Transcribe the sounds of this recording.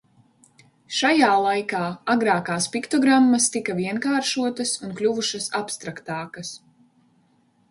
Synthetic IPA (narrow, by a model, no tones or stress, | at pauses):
ʃajaːlˠajkaːaɡɾaːkaːspikt̪ɔɡɾamːɐst̪ikɐviɛnkaːɾʃuɔt̪ɐsunklʲuvuʃɐsapst̪ɾakt̪aːkɐs